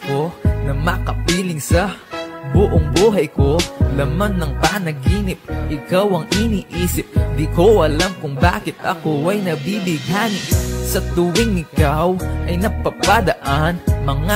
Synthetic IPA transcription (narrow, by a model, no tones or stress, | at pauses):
konɐmɐkɐpiːlɪŋsɐbʊʔoŋbuːɦɐjko̞lɐmanːɐŋpanɐɡiːnɪp̚ʔɪkawʔɐŋɪniːʔiːsɪp̚d̪ɪkoʔɐlamkʊŋba̰ːkɪt̪ɐ̰koʔɐjnɐbibɪɡhaːnɪssɐt̪ʊwɪŋnɪkawʔɐjnɐpɐpad̪ɐʔanmɐŋa